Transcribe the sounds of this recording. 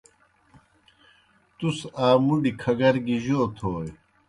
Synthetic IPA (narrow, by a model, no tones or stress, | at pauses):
t̪usaːmuɖikʰɐɡɐɾɡiʑoːt̪ʰoːj